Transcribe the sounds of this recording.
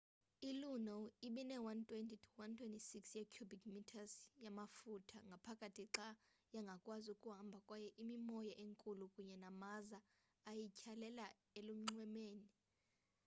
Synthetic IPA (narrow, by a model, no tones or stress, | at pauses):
ilunɔiɓinɛwantʰʼwentʰʼitʰu̥wantʰwentʼisiksjakʰjubikmitʰasjamafutʰaŋɡʱapʰakʼatʰiǁajaŋɡʱakʼwazukʼuɦambʱakʼwajɛʔimimɔjaʔeŋkʼulukʼuɲɛnamazaː | jicʰalɛla | elum̩ŋ͡ǀwɛmeːni